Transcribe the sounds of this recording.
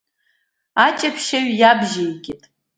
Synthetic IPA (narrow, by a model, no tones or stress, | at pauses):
at͡ʃʼapʰʃaɥjabʒejkʲʼɪtʼ